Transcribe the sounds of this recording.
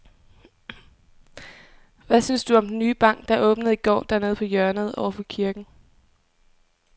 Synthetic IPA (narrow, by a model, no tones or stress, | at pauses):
ʋæsynsd̥uɒ̽md̥enːyːb̥ɑ̈ŋ̰ɡ̥d̥ɑ̈ʔɔ̽ːb̥nəð̞̩ˠiɡ̥ɒ̰ːd̥æɐne̝ð̞̩ˠpʰɒ̽jœɐnəð̞̩ˠɒ̰ʊɐfɒ̽kʰiɐɡ̥n̩